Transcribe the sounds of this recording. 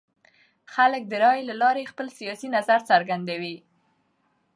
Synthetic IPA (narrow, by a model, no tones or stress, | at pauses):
xalək̚d̪əɾɑjlalɑɾexpəlsijɑsinazaɾt͡saɾɡand̪awi